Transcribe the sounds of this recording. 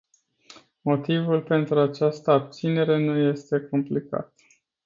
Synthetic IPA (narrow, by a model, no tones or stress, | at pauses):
mo̞t̪ivulpe̞nt̪ɾuat͡ʃast̪əab̚t̪sine̞ɾe̞nuje̞st̪e̞komplika̰t̪